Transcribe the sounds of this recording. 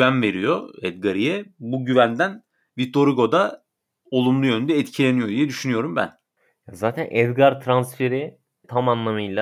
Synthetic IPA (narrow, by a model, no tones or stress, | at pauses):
vænve̞ɾijo̞ɛd̪ɡaɾijɛbuɟyvænd̪æn | vit̪ʰːo̞ɾiɡo̞d̪a | o̞lˠumlˠujø̞nynd̪ɛːt̪cʰilʲe̞nijo̞d̪ijɛd̪yʃynyjo̞ɾumbæ̰n | jazaːt̪ʰænʔɛd̪ɡaɾt̪ʰɾansfe̞ɾɪ | t̪ʰamanlˠamɯjlˠa